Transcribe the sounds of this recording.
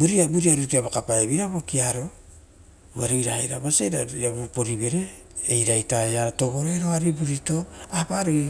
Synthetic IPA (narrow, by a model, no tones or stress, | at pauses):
buɾiabuɾiaɾutiaβakapaebiɾabo̞kiaɾo̞ | uaɾuiɾahajɾa̰baseɾaiabupo̞ɾibe̞ɾe̞ː | jɾajtaeato̞ɡo̞ɾeɾo̞aɾibuɾito̞apaɾi